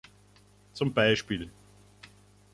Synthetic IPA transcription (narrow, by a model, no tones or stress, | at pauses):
t͡sʊmbaɪʃpiːl